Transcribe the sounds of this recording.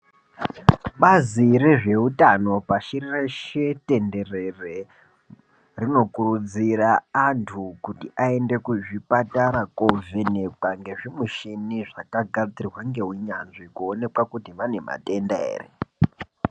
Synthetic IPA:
ɓazireʐe̞utano̞paʃirireʃete̞nde̞re̞re | rino̞kurud͡ziraːntʰukutiʔae̞nde̞kuʐipataɾakovene̞kwaŋɡe̞ʐimuʃiniʐakaɡʱad͡zirwaŋɡe̞ɦwiɲanʐikuone̞kwakutimane̞ma̰te̞ndaḛːrḛ

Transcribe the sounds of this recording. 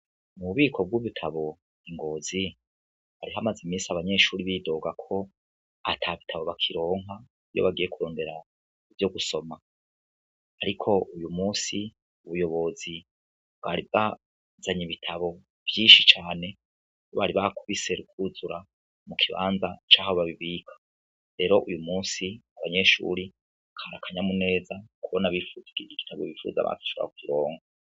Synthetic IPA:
muβuβiːkʰo̞b̚ɡuβitʰaβo̞ | iŋɡo̞ːzi | haɾiɦamazimiːsaβaɲe̞ʃuːɾiβido̞ɡakʰo̞ | a̰tʰaβitʰaβo̞βakʰiɾo̞ːŋɦa | ijo̰βaɡije̞kuɾo̞ːnde̞ɾa | ivjo̞ɡuso̞ma | ɾikʰo̞ʔujumuːsi | uβujo̞βo̞zi | bwaɾiβa | zaɲiβitʰaβo̞ | v̥jiːʃit͡ʃaːne̞ | oβaɾiβakʰuβise̞ɾukʰuzuɾa | mukʰiβa̰ːnzat͡ʃaːhaoβaβiβiːkʰḁ | ɾe̞ːɾo̞ʔujumuːsiaβaɲe̞ːʃṵɾi | kʰaɾakʰaɲamune̞ːzakuβonaβifuziɡiiɡitʰaβoβifṵːza̰βa̰kḁʃooɾa̰kwiɾo̞ːŋɡa

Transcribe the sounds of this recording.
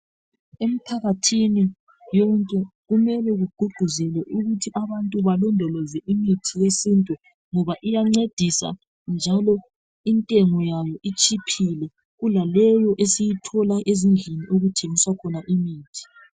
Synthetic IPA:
em̩pʰaɣatʰini | jɔŋkʼɛɣumɛlɛɣuɡ͡ǃ̥ʱuɡ͡ǃʱuzɛlɛʔuɣutʰiʔaβantʼuβalɔndʱɔlɔzɛʔimitʰijesintʼu | ŋɔβaʔijaŋ͡ǀed̥ʱisa̰ | nd͡ʒʱalɔ | intʼɛŋɔjajɔʔit͡ʃʼipʰilɛ | ɣulalɛjɔʔesijitʰɔlaʔezind͡ɮʱeniʔoɣutʰeŋiswakʰɔnaʔimiːtʰi̥

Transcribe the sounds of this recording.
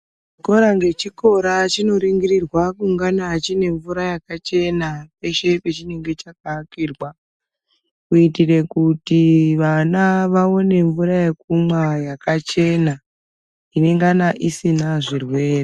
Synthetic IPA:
t͡ʃiko̞ɾaŋɡe̞t͡ʃiko̞ɾat͡ʃino̞ɾiŋɡiɾirwakuŋɡanaːt͡ʃine̞ɱvuɾajakat͡ʃe̞nape̞ʃe̞pe̞t͡ʃine̞ŋɡe̞t͡ʃakakirwa | kuitire̞kutiʋanaʋao̞ne̞ɱvuɾajekumwajakat͡ʃe̞na | ine̞ŋɡanaʔisinaʐirwe̞ːre

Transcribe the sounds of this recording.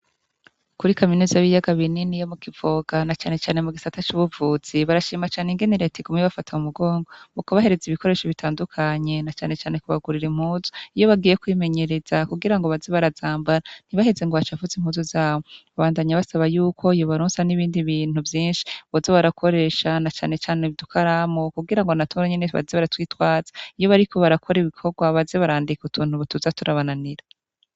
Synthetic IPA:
kuɾikaminuzaβijaɡaβininijo̞mukivo̞ːɡ̥anat͡ʃaːne̞t͡ʃaːne̞muɡisatat͡ʃuːβuvuːz̥iβaɾaʃiːmat͡ʃaːneŋɡeniɾetʰiɡumŋiβafatʰaumuɡo̞ːŋɡo̞mukoβaɦe̞ɾe̞ziβikʰo̞ɾe̞ːʃoβitʰaːndukʰaɲe̞nat͡ʃaːne̞t͡ʃaːne̞kuβaɡuɾiɾim̥huːzu̥ijo̞βaɡiːje̞kwiːme̞ɲe̞ɾe̞z̥akuɡiɾaŋɡoβaziβaɾazaːmbaɾan̥iβahezeŋɡoβat͡ʃavuzim̥huːzozaːwoβaβaːndaːɲaβasaβajuːkʰo̞ijo̞βaɾoːnsaniβiːndiβiːn̥huvjiːnʃi̥βozeβaɾakʰo̞ɾe̞ːʃanat͡ʃaːne̞t͡ʃaːneβidukʰaɾamokuɡiɾaŋɡo̞natʰuɾaɲe̞neβa̰zeβaɾatwiːtwaːz̥ḁijo̞βaɾiko̞βaɾakʰo̞ɾiβikʰo̞ɡwaβazeβaɾaːndikutuːn̥huβutuzatuɾaβananiɾe

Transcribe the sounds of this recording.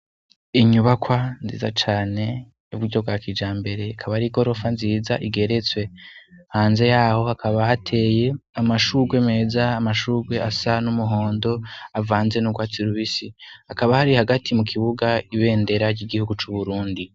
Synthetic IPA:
iɲuβakwanzḭːza̰t͡ʃaːne̞ | juβuɾɟo̞bɡwaːkid͡ʒaːmbe̞ɾe̞kʰaβaɾiɡo̞ɾo̞fanziːzaʔiɡe̞ɾe̞t͡swe̞haːnze̞jaːho̞hakʰaβaatʰe̞ːje̞amaʃuɾɡweme̞ːzaːmaʃuːɾɡwe̞asanumuɦo̞ːndo̞avaːnze̞nuɡwaːt͡siɾuβisihakaβahaɾihaɡatʰimukʰiβuɡaiβe̞ːnde̞ɾaɾɟiɡihuɡut͡ʃuβuɾuːndi

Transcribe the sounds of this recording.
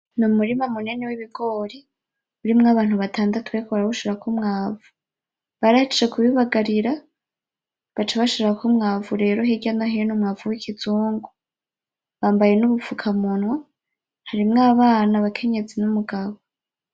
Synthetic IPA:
numuɾimamunenewiβiɡo̞ɾi | uɾimŋaβaːnhuβatʰaːndatuwekoβaɾaβuʃiɾakumŋaːvu̥ | βaɾahit͡ʃit͡ʃekʰuβiβaɡaɾiɾa | βat͡ʃaβaʃiɾakumŋaːvuɾe̞ːɾo̞ɦeɟanaɦejenumŋaːvuwikʰizuːŋɡu | βaːmbaje̞nuβufukʰamunwa | haɾimŋaβaːnaβakʰe̞ɲe̞d͡zinumuɡaβo

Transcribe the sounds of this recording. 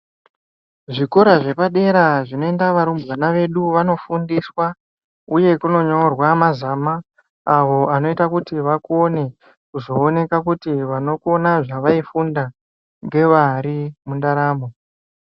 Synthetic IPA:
ʐiko̞ɾaʐe̞paɗe̞ɾaʐino̞endaʋaɾumbwanaʋe̞ɗuʋano̞fundiswa | uje̞kuno̞ɲorwamazamaː | ʋo̞ano̞itakutiʋakuone̞ | kuzo̞ːne̞kakutiʋano̞kuo̞naʐaʋaifunda | ŋɡe̞ʋaɾimundaɾaːmo

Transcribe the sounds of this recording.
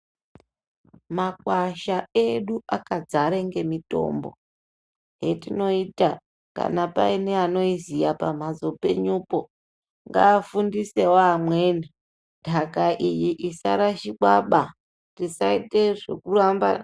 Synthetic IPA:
makwaʃae̞ɗuakad͡zaɾeŋɡe̞mito̞̰ːmbo | ɦe̞tino̞ita | ka̰napa̰ineano̞izijapa̰mazo̞pe̞̰ɲupo̞ | ŋɡa̰ːfundise̞waːmwe̞ːni | d̥ʱakaʔijiʔisa̰ɾaʃiɓwaɓa | tisaite̞ʐe̞̰kuramba̰

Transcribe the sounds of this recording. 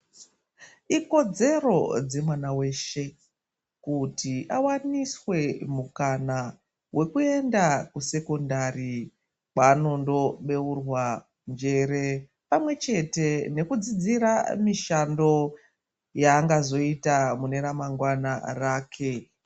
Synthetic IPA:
iko̞d͡ze̞ro̞d͡ze̞mwanawe̞ːʃe̞ | kutiʔawaniswe̞mukana | wʔe̞kue̞ndakuse̞ko̞ndari | paːno̞ndo̞ɓe̞urwa | nd͡ʒe̞ɾe̞ | pamwe̞t͡ʃe̞te̞ne̞kud͡zid͡ziɾamiʃando̞ | jaːŋɡazo̞itamune̞ɾamaŋɡwana̰raːkʰe̞

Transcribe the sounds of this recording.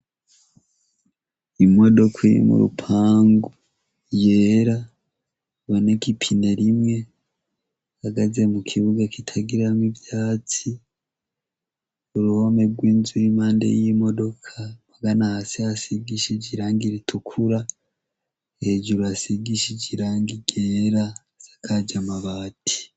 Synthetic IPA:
imo̞do̞kʰwiḭmṵɾṵpʰaːŋɡu | jeːɾa | βo̞ne̞kipʰine̞ɾimŋe̞ | haɡaze̞mukʰiβuɡakitʰaɡiɾamivjaːt͡si | uɾuho̞me̞ɡwiːnzuɾimaːndḛjimo̞do̞kʰamaɡanahasihasiɡiʃiɟiɾaːŋɡiɾitʰukʰuɾa | eɟuɾuasiɡiʃiɟiɾaːŋɡiɟeːɾa | z̥ḁkʰaɟamaβaːtʰi̥

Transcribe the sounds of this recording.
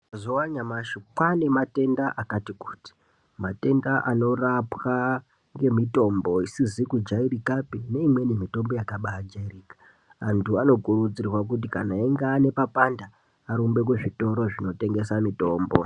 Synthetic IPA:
zowaɲamaʃokwane̞mate̞ndaʔakatiku̥ːti̥ | mate̞ndaʔano̞rapwa | ŋɡe̞mito̞mbo̞isizikud͡ʒairikapine̞imwe̞nemito̞mbo̞jakaɓaad͡ʒairiːkḁ | antʰuano̞kuɾud͡zirrwak̬ut̬ika̰naeŋɡeːne̞papandaː | ɾumbe̞kweʐito̞ɾo̞ʐino̞te̞ŋɡe̞samito̞ːmbo̞̰

